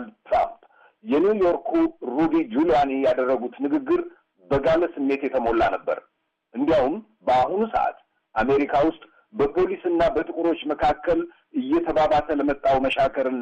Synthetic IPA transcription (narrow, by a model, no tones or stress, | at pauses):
lt̪ɾa̰mp | jɛnjujo̞ɾkʰuɾubid͡ʒulijanijad̪ərːəɡut̪nɨɡɨɡːɨɾ | bəɡaləsɨmːe̞t̪jɛt̪ʰəmo̞lːanəbːə̰ɾ | ʔɨnd̪ijawum | bəaɦunusə̰ʔa̰t̪ | ʔame̞ɾikʰawʊst̪ʼ | bəpʰo̞lisɨnːabət̪ʼɨkʼuɾo̞t͡ʃːməkʰakːəl | ʔɨjːɛt̪ʰəβaβasʰələmət̪ʼːawməʃakʰəɾɨnː